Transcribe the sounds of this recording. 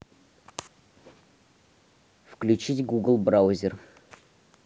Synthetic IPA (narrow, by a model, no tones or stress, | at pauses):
fklʲʉt͡ɕitʲɡuɡəlˠbɾaʊzʲɪr